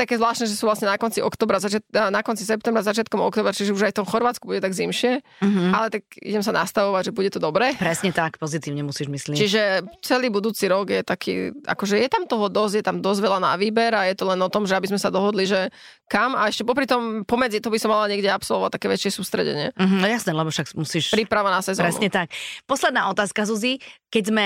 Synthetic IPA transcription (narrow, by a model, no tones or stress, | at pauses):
akɛːzʋlaːʃt̪nɛʒɛsuːʋlasɲɛnakɔnt͡siʔɔkt̪ɔːbɾazat͡ʃɪat̪nakɔnt͡sisɛpt̪ɛmbɾazat͡ʃɪat̪̚kɔmɔ̰kt̪ɔːbɾat͡ʃiʒɛuʒajft̪ɔmxɔɾʋaːt͡skubuɟɛt̪aɡzimʃɪɛ | alɛt̪ak̚ḭɟɛmsanʔast̪aʋɔʋaɟʒɛbuɟɛt̪ɔd̪ɔbɾɛːpɾɛsɲɛt̪akpɔzit̪iːʋɲɛmusiːʒmislit͡ʃiʒɛt͡sɛliːbud̪uːt͡siɾɔɡjɛt̪akʰḭːʔa̰kɔʒɛjɛt̪amt̪ɔɦɔd̪ɔzɟjɛt̪amd̪ɔzɟʋɛʎana̰ʋiːbɛɾajɛt̪ɔlɛnɔt̪ɔmʒɛabizmɛsad̪ɔɦɔd̪liʒɛ | kamaɛʃcɛpɔp̬ɾit̪ɔmpɔmɛd͡zit̪ɔɦɔbisɔmːalaɲɪɛɡɟɛapsɔlˠʋɔʋa̰t̪ːakɛːʋɛt͡ʃɪɛsuːst̪ɾɛ̰ɟɛ̰ɲɪɛ̰ɦjasnɛːlɛbɔʃakmusiːʃpɾipɾaʋanasɛzɔ̰ɾɛsuɲɛt̪ak̚pɔslɛd̪naːɔt̪aːskazuzikɛɟzmɛ